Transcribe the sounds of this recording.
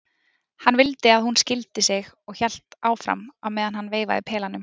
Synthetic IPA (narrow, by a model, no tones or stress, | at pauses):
hanːvɪlt̪ɪaðhunscɪlt̪ɪsɪɣɔɣçɛl̥t̪aːwfɾa̰mawmɛːðanɦanːveːjva̰ðɪpʰɛːlanʏm